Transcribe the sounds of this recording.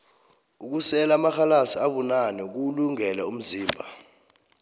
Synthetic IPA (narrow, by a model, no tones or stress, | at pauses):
uk̬usɛlamaxalasiaɓunanɛk̬uluŋɛlɛum̩ziːmbʱa